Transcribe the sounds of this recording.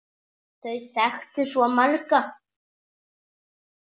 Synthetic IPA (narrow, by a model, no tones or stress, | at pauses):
θœɥθɛxt̪ɪsɔmaɾka